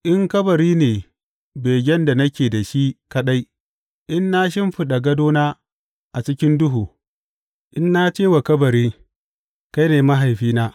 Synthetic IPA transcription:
ʔɪ˦ŋkɐ˦bɐ˨ɾiː˦neː˨ | beː˨ɡʲɛ˦nda˨nɐ˦kʲeː˨da˨ʃi˦kɐ˦ɗa˦j | ʔɪ˦nːa˦ʃ̬ɪ˦mɸɪ˦ɗa˨ɡɐ˦doː˦naː˦ | ʔa˨t͡ʃɪ˦kʲɪ˦ndʊ˦ɦuː˨ | ʔɪ˦nːa˦t͡ʃeː˦wa˨kɐ˦bɐ˨ɾiː˦ | ka˦jneː˨ma˦ɦa˨jɸiː˦naː˦

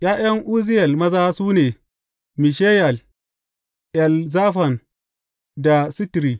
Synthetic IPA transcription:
jʲaː˦jɐ˦ŋʔuː˦zɪ˦jɐ˨lmɐ˦zaː˦suː˦neː˨ | mi˨ʃeː˦jɐ˨l | ʔɛ˨lzaː˦ɸɐ˨n | da˨sɪ˦tɾiː˨

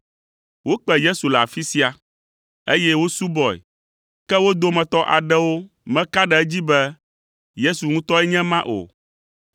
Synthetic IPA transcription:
wo˦k͡pɛ˨je˦su˨lɛ˨a˨fi˦si˦a˨ | e˦jɛ˦wo˦su˦bɔ˨ɛ̰˨ | kɛ˦wo˦d̪o˦mɛ̃˨t̪ɔ˦ʔa̰˨ɖɛ˦wo˦ | mɛ̃˦ka˦ɖɛ˨ɛ˦d͡ʑi˦bɛ˦ | je˦su˨ŋũ˦t̪ɔ˦ɛ˦ɲɛ̃˦mã˦ʔo̰˨

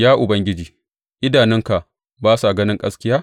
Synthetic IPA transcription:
jaː˦ʔʊ˨bɐ˦ŋɡʲɪ˦d͡ʒiː˨ | ʔɪ˦daː˨nɪ˦ŋka˨ʔ | baː˦sa˨ɡɐ˦nɪ˦ŋkʼɐ˦skʲɪ˦jaː˦

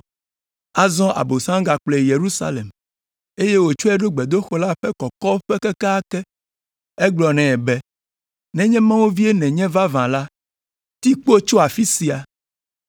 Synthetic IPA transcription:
a˨zɔ̃˦ʔa̰˨bo˨sã˦ŋɡa˨k͡ple˨je˨ɾu˦sa̰˦le˨m | e˦je˦wo˨t͡ʃo˦ɛ˦ɖo˦ɡ͡bɛ˨d̪o˦xɔ˦la˦ɸɛ˦kɔ˨kɔ˦ɸɛ˦kɛ˦ka˦a˦kɛ˦ | ɛ˦ɡ͡blɔ˨nɛ̃˨ɛ˨bɛ˦ | nɛ̃˦ɲɛ̃˦mã˦wu˦vi˦e˦nɛ̃˨ɲɛ̃˦va˦vã˨la˦ | t̪i˦k͡po˦t͡ʃo˦a˨fi˦si˨a˨

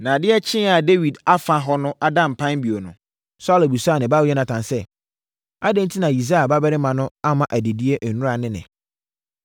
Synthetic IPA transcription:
nã˨dɪ˦ɛ˦t͡ɕʰɪ̃˦a˨de˦wi˨da˦fã˨ɦɔ˦nʊ̃˦ʔa˦dã˦m̩˨pʰã˦n˦bi˨o˨nʊ̰̃˨ | sa˦le˨bu˨saː˦˨nɪ̃˨ba˦wɛ˦nã˨tʰã˨nsɛ˦ | a˦dɛ̃˦ntʰi˦nã˨ji˨s̬a˦a˨ba˦bɛ˦ɾɪ˦mã˨nʊ̃˦a˦mã˨ʔæ˨de˨di˦e˦ʔ̩˨nʊ̃˦ɾa˨nɪ̃˦nɪ̰̃˨

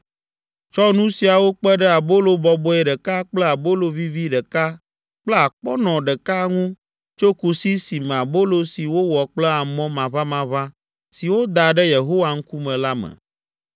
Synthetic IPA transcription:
t͡ʃɔ˦nũ˦si˨a˨wo˦k͡pɛ˦ɖɛ˦a˨bo˦lo˨bɔ˨bɔ˦ɛ˨ɖɛ˨ka˦k͡plɛ˦a˨bo˦lo˨vi˦vi˦ɖɛ˨ka˦ | k͡plɛ˦a˨k͡pɔ˦nɔ̃˨ɖɛ˨ka˦ŋũ˦ | t͡ʃo˦ku˨si˦si˨mɛ̃˨a˨bo˦lo˦si˨wo˦wɔ˨k͡plɛ˦a˨mɔ̃˦mã˨βa˦mã˨βa˦ | si˨wo˦d̪a˨ɖɛ˦je˨ɦo˦wa˨ŋ̩˦ku˦mɛ̃˨la˦mɛ̰̃˨

